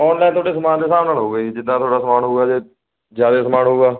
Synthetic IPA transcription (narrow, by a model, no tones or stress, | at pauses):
ɔːnnɛ̃ːt̪ʰoːɽeːsəmaːnd̪eːsaːmnaːlɦoːɡeid͡ʒɪd̪ːãːt̪ʰoːɽaːsəmaːnɦoːɡaːd͡ʒeː | d͡ʒjaːd̪eːsəmaːnɦoːɡaː